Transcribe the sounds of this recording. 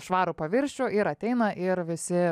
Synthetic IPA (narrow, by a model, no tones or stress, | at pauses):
ʃʋɑːɾʊpɐʋʲɪɾʲʃʲt͡ʃʲoʔɪɾɐt̪ʲɛɪnɐʔɪɾʋʲɪsʲɪ